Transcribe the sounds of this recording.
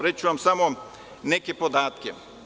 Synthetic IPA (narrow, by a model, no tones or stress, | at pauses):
ɾet͡ʃuʋamsamo | nekepod̪aːt̪kḛ